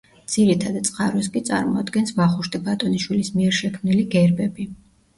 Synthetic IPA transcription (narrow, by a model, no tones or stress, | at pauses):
d̪z̥iɾit̪ʰad̪t̪sʼqʼaɾwiskʼit̪sʼa̰ɾmɔ̰ad̪ɡɛnsvaχuʃt̪ʼibat̪ʼɔniʃwilismiɛɾʃɛkʰmniliɡɛɾbɛbi